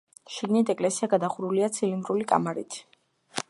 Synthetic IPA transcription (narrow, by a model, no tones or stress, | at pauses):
ʃiɡnit̪ʰɛkʼlɛsiaɡad̪aχuɾuliat̪sʰilind̪ɾulikʼa̰maɾḭt̪ʰ